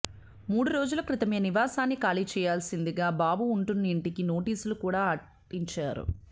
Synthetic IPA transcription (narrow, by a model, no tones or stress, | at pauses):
muːɽuɾo̞ːd͡ʒulɐkɾɪt̪ɐmeːɐniʋaːsaːnːikaːlit͡ʃɛːjaːlsind̪iɡaːbaːbuːɳʈunːɐiɳʈikino̞ːʈiːsulukuːɽaːɐ | ʈiɲt͡ʃaːɾṵ